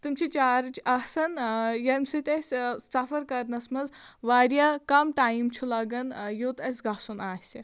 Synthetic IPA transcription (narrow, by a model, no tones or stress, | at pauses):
t̪ɨmt͡ʃʰit͡ʃaːɾɨt͡ʃʰɐɦsɐnjɐmʲsɨt̪ʲɐsʲsɐfɐɾkɐɾnɐsmɐzʋaːɾjaːkɐmʈaːjimt͡ʃʰulɐɡɐnjoːt̪ɐsʲɡɐsunaːhsʲi